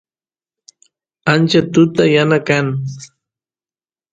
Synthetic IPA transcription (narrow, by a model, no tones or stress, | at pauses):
ant͡ʃat̪ʊt̪ajanakaŋ